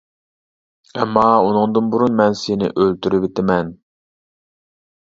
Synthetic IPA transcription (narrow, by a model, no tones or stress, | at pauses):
ɛmːɑunɨŋd̪ɨnbuɾunmɛnsenɪ̰ʔølt̪ʰyɾɪvɪt̪ʰɪmɛn